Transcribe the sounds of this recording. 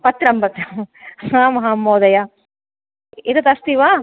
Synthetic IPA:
pɐt̪ɾɐmpɐt̪ɾɐmhãːmɐɦamoːd̪ɐja | iɾɐt̪ɐst̪iʋa

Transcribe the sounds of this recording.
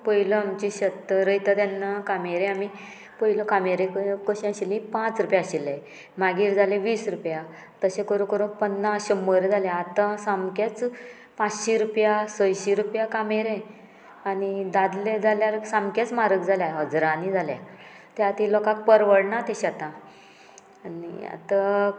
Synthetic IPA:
pəjləamt͡ɕiɕət̪əɾəjt̪at̪janːakameɾẽami | pəjləkameɾekkəɕĩãɕilĩpãt͡sɾupjaɕile | maɡiːɾd͡zaleʋiːsɾupja | t̪əɕẽkəɾũːkəɾũːpənːaɕəməɾed͡zaljaːt̪ãsamkat͡s | pat͡sɕiɾupjasəjɕiɾupjakameɾe | anid̪ad̪led͡zaljaɾsãmkat͡smaɾək̚d͡zʱaljaɦəd͡zɾanid͡zʱalja̰ | t̪eat̪ilɔkak̚pəɾʋəɽnat̪eɕat̪ã | anḭa̰t̪a

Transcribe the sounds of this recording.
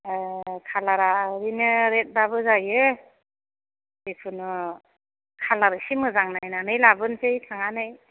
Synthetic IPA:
kʰalaɾaɾinɯɾet̚babɯzajɯ | bepʰɯnɯ | kʰalaɾɯsimɯzaŋnajnanɯjlabɯnsejtʰaŋanɯj

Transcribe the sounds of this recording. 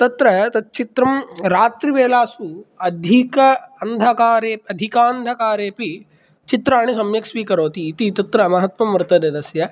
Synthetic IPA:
t̪ɐt̪ɾɐt̪ɐt̪̚t͡ʃit̪ɾɐmɾaːt̪ɾiʋeːlaːsuɐd̪ʱikɐɐnd̪ʱɐkaːɾeːpɐd̪ʱikaːnd̪ʱɐkaːɾeːpi | t͡ʃit̪ɾaːɳ̃isɐmjɐksʋiːkɐɾoːt̪iːt̪it̪ɐt̪ɾɐmɐɦɐt̪ʋɐmʋɾɨt̪ɐd̪ed̪ɐsjɐ

